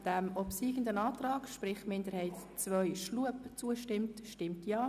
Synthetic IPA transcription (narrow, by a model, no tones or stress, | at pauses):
d̥ɛmɔpsiːɡ̥əndənɑːtrɑːkʃpɾɪχmɪndəɾhɛɪtt͡sʋœʏʃluəpt͡suəʃtɪmtʃtɪmtjaː